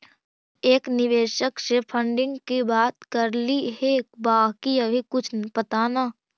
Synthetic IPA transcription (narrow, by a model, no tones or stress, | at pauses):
eːknɪʋeːʃəksepʰə̃ɳɖɪ̃ŋɡkibaːt̪kɐɾliɦebaːɦkiəbʱikʊt͡ʃʰpɐt̪aːnaː